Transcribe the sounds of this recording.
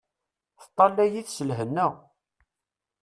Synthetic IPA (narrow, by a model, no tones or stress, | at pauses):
θə̥t̪ˤːɑlːæjiθsəlɦənːəʁ